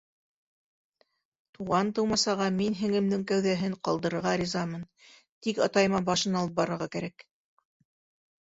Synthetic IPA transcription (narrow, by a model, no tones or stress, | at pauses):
t̪uʁɑnt̪ɤ̆wmɑsɑʁɑminɦɘ̆ŋɘ̆md̪ɘŋkæwðæɦɘɴqɑlˠd̪ɤ̆ɾɤ̆ɾʁɑɾʲizɑmɤn | t̪ikɑt̪ɑjɤ̆mɑbɑʃɤnɑlˠɤp̚bɑɾɤ̆ɾʁɑkæɾæk